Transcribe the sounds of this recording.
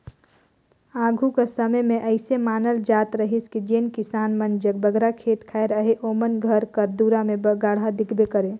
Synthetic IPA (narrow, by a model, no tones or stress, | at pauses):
aːɡʱukesəməjmẽʔəɪsemaːnəld͡ʒaːt̪ɾəɦiskid͡ʒenkisaːnmənd͡ʒəɡ̚bəɡɾakʰeːt̪kʰaeɾəɦeʔoːmənɡʱəɾkəɾd̪uɾamẽbəɡaːɽ̤ad̪ɪkʰbekəɾẽ